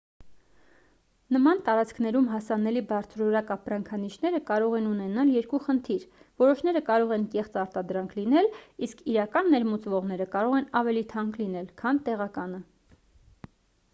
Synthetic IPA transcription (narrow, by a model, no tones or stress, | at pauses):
nəmɑnt̪ɑɾɑt͡skʰnɛɾumɦɑsɑnɛlibɑɾt͡sʰɾɔɾɑkɑpɾɑŋkʰɑniʃn̪ɛɾəkɑɾɔʁɛnunɛnɑljɛɾkuχənt̪ʰiɾ | vɔɾɔʃn̪ɛɾəkɑɾɔʁɛnkɛχt͡sɑɾt̪ɑd̪ɾɑŋkʰlinɛliskʰiɾɑkɑnːɛɾmut͡svɔʁnɛɾəkɑɾɔʁɛnɑvɛlit̪ʰɑŋklinɛlkʰɑnt̪ɛʁɑkɑnə